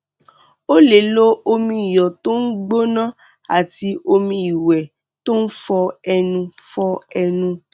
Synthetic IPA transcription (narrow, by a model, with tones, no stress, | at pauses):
o˦le˨lo˦o˧mĩ˧i˨jɔ˨to˦n̩˦ɡ͡bo˦nã˦ | a˨ti˧ʔo˧mĩ˧i˨wɛ˨ | to˦n̩˦fɔ˧ɛ˧nũ˧fɔ˧ɛ˧nũ˧